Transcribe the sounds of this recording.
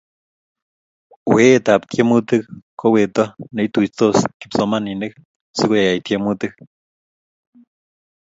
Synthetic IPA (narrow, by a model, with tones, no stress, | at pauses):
we˦t̪a˨pt̪je˦mɨ˦t̪ɨ˦k̚ko˦we˨t̪o˦ne˧it̪u˨it̪o˦ski̥˨pso˧mani˨nek̚ | sɨ˦koja˨ja˨jt̪je˦mɨ˧t̪ɨ˦k